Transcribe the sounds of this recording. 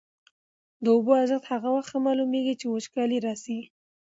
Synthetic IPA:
d̪əʊboaʒəxt̪haɣawaxt̪hamɑlumeɡit͡ʃewot͡ʃkɑliɾɑsi

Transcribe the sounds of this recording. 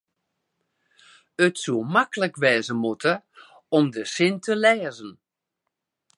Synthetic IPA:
ətsumakələkʋɛːzəmutə | ɔmdəsɪntʰəlɛːzən

